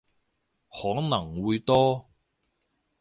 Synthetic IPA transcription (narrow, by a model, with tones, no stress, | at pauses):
hɔː˨˥ŋnɐ˨˩ŋwuː˨˧jt̪ɔː˥